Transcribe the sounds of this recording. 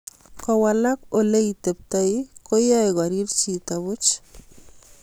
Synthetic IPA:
kawalakolejt̪ep̚t̪ajkojajɣaɾiɾt͡ʃit̪aβʊt͡ʃ

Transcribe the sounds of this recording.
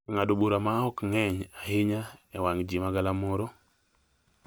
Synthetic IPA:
ŋadobuɾamaɔkŋɛɲaɦɪɲaɛwaŋd͡ʒimaɡalamɔɾo

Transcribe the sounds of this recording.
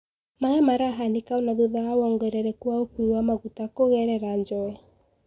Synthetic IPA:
maɣɛmaɾaɦanikaonaðuðaawɔŋɡwɛɾɛɾɛkwaopuiwamaɣutakoɣɛɾɛɾaɲd͡ʒɔɛ

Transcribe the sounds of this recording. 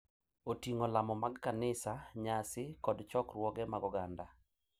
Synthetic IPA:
otiŋɔlamɔmaɡkanɪsaɲasɪkɔdt͡ʃɔkrwɔɡɛmaɡɔɡanda

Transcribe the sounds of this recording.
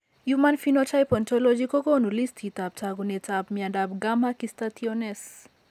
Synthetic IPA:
jumanfinotʰajpɔnt̪ʰɔlɔd͡ʒikokonulist̪ʰit̪ap̚t͡sʰaɡunet͡sabmjadabɡamakist̪at̪ʰiones

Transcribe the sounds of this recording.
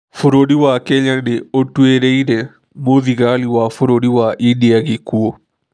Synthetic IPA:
foɾoɽiwakeɲanɪotːueɾeiɾɛ | moðiɡaliwafoɾoɽiwaʔindijaɡɪkuo

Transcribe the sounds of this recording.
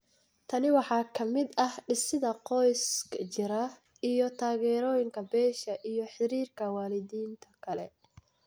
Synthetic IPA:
t̪ʰɐnɪwɑħɑːkʰɐmɪd̪ɐhɖɪsɪðɐqɔjskt͡ʃɪɾɐ | ijɔt̪ʰaːɣɛːɾɔːjɪŋkʰɐbɛːʃɐʔijɔħɪɾiːrkʰɐwɑːlɪðiːnt̪ʰɐkʰɐlɛ̰

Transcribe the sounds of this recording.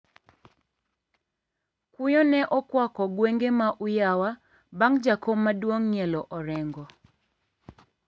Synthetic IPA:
kʊjɔnɛʔɔkwɔkɔɡweŋɡemaʔujawa | baŋd͡ʒakomadwoŋɲiɛlɔʔɔɾɛŋɡɔ

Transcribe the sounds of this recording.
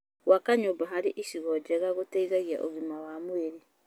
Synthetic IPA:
wakaɲobaɦaɾeʔiʃiɣɔd͡ʒɛɣaɣotɛiɣaɣia̰ʔo̰ɣimawamweɾe

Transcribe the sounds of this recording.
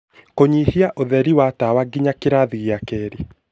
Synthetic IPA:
koɲihiaʔoðɛɾiwatawaɡiɲakeɾaðiɣiakɛɾi

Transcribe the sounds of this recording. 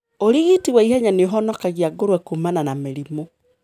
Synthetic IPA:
oɾiɣitiɣwaihɛɲaneoɦɔnɔkaɣiaɡoɾwɛkumananameɾimo

